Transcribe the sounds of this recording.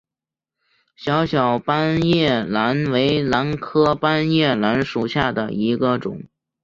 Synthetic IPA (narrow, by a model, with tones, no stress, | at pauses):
ɕjɑ˧˥ʊɕjɑ˨˩ʊpa˥njɛ˥˩la˧˥nwe˧˥ɪla˧˥nkʰɤ˥pa˥njɛ˥˩la˧˥nʂu˨˩ɕja˥˩d̪ə̰˩i˧˥ɡə˧ʈ͡ʂʊ̰˨˩˦ŋ